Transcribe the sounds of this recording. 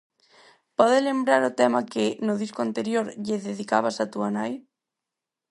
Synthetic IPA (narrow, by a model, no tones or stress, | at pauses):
pɔðelembɾaɾʊt̪ɛmakɪnʊðiskoant̪eɾjoɾʎɪðeðikaβasat̪uanaj